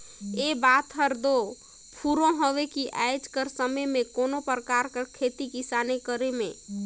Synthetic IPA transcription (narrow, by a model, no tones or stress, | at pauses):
eːbaːt̪ɦəɾd̪o | pʰuɾõɦoʋekiʔaɪd͡ʒkəɾsəməjmẽkoːnopɾəkaːɾkakʰeːt̪ikisaːnekəɾemḛ̃